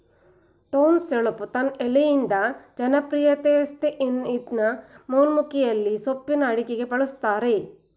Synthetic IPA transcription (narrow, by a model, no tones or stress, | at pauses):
ʈoːnseɭɐpːut̪ɐnɛlejind̪ɐd͡ʒɐnɐpɾijɐt̪eːst̪eʔinid̪nɐmoːnmukijɐlːisopːinɐːɽikeɡe̞pɐɭust̪ːaːɾe̞